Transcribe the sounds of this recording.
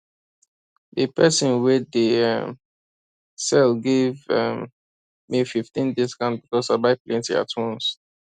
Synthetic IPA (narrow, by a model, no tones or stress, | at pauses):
dəpʰɛsĩnwɛdəɛm | sɛlɡevɛm | mififtĩndiskãnbikɔsaɪbaɪplẽntia̰tʰũns